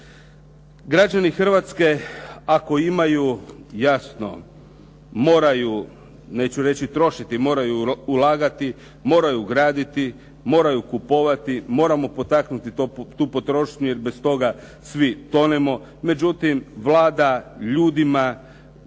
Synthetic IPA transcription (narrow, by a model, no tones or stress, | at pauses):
ɡɾad͡ʑanixr̩ʋat̪ske̞ako̞imajujasno̞̰ | mo̞ːɾaju | ne̞t͡ɕuɾe̞t͡ɕit̪ɾo̞ʃit̪imo̞ːɾajuːlˠaːɡat̪i | mo̞ːɾajuɡɾaːd̪it̪i | mo̞ːɾajukupo̞ʋat̪imo̞ːɾamo̞po̞t̪aknut̪iot̪uːpo̞t̪ɾo̞ːʃɲuje̞ɾbe̞st̪o̞ɡa | sʋit̪o̞nemo̞ | me̞d͡ʒut̪imʋlˠaːd̪aʎuːd̪ima